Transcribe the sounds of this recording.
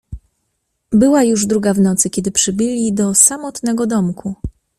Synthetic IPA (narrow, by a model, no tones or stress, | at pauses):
bɘwajuʐd̪ɾuɡavnɔt̪sɘkʲɛd̪ɘpʂɘbɘlʲid̪ɔsamɔt̪nɛɡɔd̪ɔmkʰu